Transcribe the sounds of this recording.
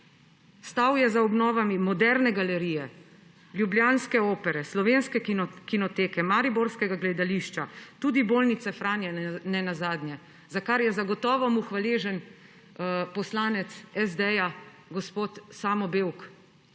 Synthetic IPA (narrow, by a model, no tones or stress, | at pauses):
st̪awjɛzaɔbnɔːʋamimɔd̪ɛɾnɛɡalɛɾijɛ | ljubljaːnskɛoːpɛɾɛslɔʋeːnskɛkinɔt̪eːkɛmaɾiboɾskɛɡaɡlɛd̪aliʃt͡ʃat̪uːd̪ibolnit̪sɛfɾaːnjɛnɛnazaːd̪njɛ | zakaɾjɛzaɡɔt̪ɔːʋɔmuxʋaleːʒɛn | pɔslaːnɛt̪sɛzd̪ɛja | ɡɔspoːt̪saːmɔbewk